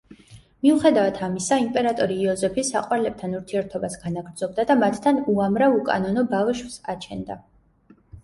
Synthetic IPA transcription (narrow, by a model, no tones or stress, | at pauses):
miuχɛd̪avat̪ʰamisaimpʼɛɾat̪ʼɔɾiːɔzɛpʰisa̰qʼwaɾlɛb̚t̪ʰanuɾt̪ʰiɛɾt̪ʰɔbasɡ̥anaɡɾd̪z̥ɔb̚d̪ad̪amat̪ʰt̪ʰanuamɾavukʼa̰nɔnɔbavʃvsa̰t͡ʃʰɛ̰nd̪a̰